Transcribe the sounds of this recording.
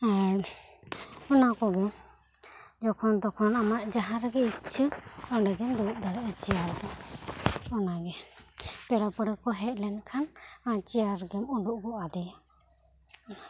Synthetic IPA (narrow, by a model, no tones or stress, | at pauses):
ɔnakɔɡɛ | d͡ʒɔkʰɔnd̪ɔkʰɔnamaʔd͡ʒaɦãɾəɡɛitt͡ʃʰəɔɳɖɛɡɛmd̪uʔ̚d̪aɽɛʔt͡ʃijaɾɡɛ | ɔnaɡɛpɛɽapəɽɛkɔɦɛʔ̚lɛnkʰanãt͡ʃijaɾɡɛmɔɖuʔɡɔad̪ɛ